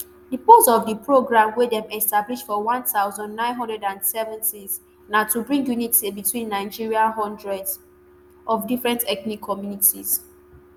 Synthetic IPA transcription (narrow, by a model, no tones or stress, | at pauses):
dəposɔvdəpɹoɡɹãmwedɛ̃mɛstabliʃfɔwãntaʊzɔ̃ndnãɪ̃nɦɔ̃ndɹɛdãndsɛvɛ̃ntiz | natubɹĩŋɡjunitebitʰwĩnːaɪd͡ʒiɹiaɦɔ̃ndɹɛdz | ʔɔfdifɹɛ̃ntɛknikʰːɔmjunitiz̥